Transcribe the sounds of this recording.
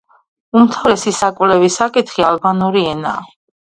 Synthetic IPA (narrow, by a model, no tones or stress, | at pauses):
umt̪ʰavɾɛsisakʼvlɛvisakʼit̪ʰχialbanuɾiɛna̰ː